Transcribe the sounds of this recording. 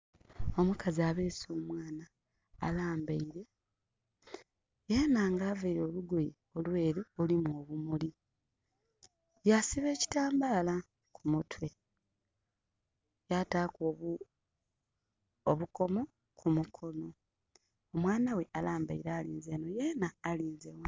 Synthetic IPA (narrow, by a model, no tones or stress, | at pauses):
o̞mukaziaβeːso̞ːmwaːna̰ː | laːmbaiɾe̞ | jeːnaːŋɡaːvaiɾo̞ːluɡoje | olwe̞ːɾeolimuoβumuli | jasiβe̞ːci̥taːmbaːla | kʰumutwe̞ | jataːko | oβuko̞mo̞ | kʰumukʰo̞no̞ | omwaːnawe̞ʔalaːmba̰iɾaːliːnze̞no̞je̞naːliːnzewa